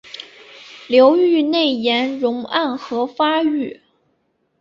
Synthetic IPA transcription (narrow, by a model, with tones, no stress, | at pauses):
ljo˧˥ʊy˥˧ne˥˩ɪjɛ˧˥nɻʊ˧˥ŋa˥˩nxɤ˧˥fa˥y˥˩